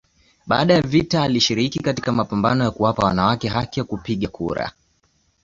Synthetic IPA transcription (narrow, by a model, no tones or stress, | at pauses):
ɓaːɗajavitaːliʃiɾikikatikamapambanɔjakuwapawanawakɛɦakijakupiɠakʰṵɾa̰